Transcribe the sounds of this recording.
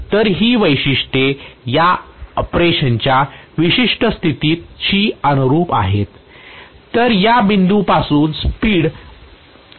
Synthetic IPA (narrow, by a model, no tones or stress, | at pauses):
t̪əɾɦiːʋəjɕiʂʈejaəpɾeɕəɲt͡ɕjaʋiɕiʂʈəst̪ʰit̪iːt̪ɕiːənuɾuːpa̰ɦet̪ː | əɾjabind̪upasuːnspiːɽ